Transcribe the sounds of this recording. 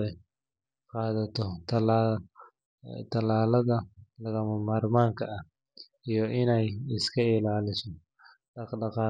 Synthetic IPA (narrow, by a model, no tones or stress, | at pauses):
ɛ | qɑːðɐt̪ʰɔt̪ʰɐlː | t̪ʰɐlaːlɐðɐlɐɣɐmɐmaːrmaːŋkʰɐɐh | ijɔʔɪnɛjɪskʰɐɪlaːlɪsɔ | ɖɖɑqɑː